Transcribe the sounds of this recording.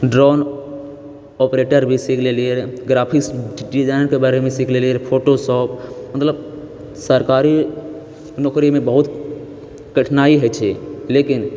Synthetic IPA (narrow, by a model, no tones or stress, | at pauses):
ɖɾɔːn | ɔːpɾeːʈəɾbʱisikʰleleɾɡɾaːpʰɪksɖizaːɪnkebaːɾemẽsikʰleleɾpʰoːʈosɔːpʰmət̪ləb | səɾkaːɾi | nɔːkɾimẽbəɦʊt̪ | kəʈʰnaːiɦɛt͡ʃʰeleːkɪn